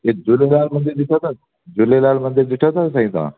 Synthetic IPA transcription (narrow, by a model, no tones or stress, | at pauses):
ed͡ʒulelaːlmə̃nd̪iɾd̪ɪʈʰat̪ʰa | d͡ʒʊlelaːlmənd̪ɪɾd̪ɪʈʰət̪ʰas̬ãĩt̪ã̰ː